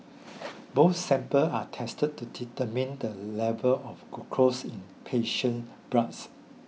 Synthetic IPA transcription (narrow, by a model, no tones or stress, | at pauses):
boθsɛ̃mpəatʰɛstəd̚tːuditəmĩndəlɛvəlɔfɡukʰɹosĩnpʰeʃə̃n | b̥ɹãts